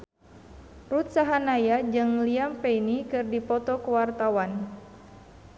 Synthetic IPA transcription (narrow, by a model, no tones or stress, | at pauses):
rut̪̚saɦanajad͡ʒɨŋliampeinikɨrdipɔt̪ɔkəwart̪awan